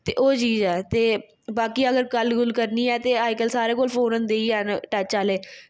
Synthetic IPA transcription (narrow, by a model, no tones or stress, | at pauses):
t̪eːʔoːt͡ʃiːzɛːt̪eː | baːkiːəɡəɾkəlɡʊlkəɾniːɛːt̪eːaːɪkəlsaːɾeːkoːlpʰoːnənd̪eːiːɛnʈət͡ʃaːleː